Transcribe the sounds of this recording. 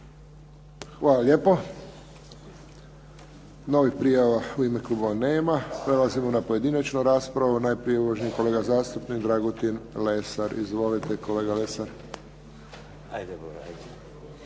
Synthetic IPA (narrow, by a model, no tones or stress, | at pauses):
xʋaːlaʎʲjeːpo | no̞ʋixpɾijaʋauimekluboʋaneːmapɾelazimonapoje̞d̪inat͡ʃnuɾaːspɾaʋunaːjpɾieʋoʒniiko̞leɡazaːst̪upnikd̪ɾaɡot̪inlesaɾḭzʋo̞lit̪eko̞le̞ːɡalesaɾ | ajd̪eoɾa